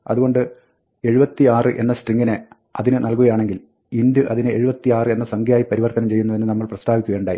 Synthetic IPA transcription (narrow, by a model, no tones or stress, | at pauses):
ɐðuɣo̞ɳɖɨ | e̞ɻubɐt̪ːiaːrɨʔe̞̰nːɐsʈriŋːine | ɐðinɨnɐlkuɣɐjaːɳe̞ŋɡil | ind̪ɨʔɐðinɨe̞ɻubɐt̪ːiaːrɨe̞nːɐsɐŋɡʱjaːjipɐɾiʋɐrt̪ɐnɐmt͡ɕe̞jːunːɐðe̞nːɨnɐmːɐɭprɐst̪ʰaːbikʲːuʋeːɳɖaːji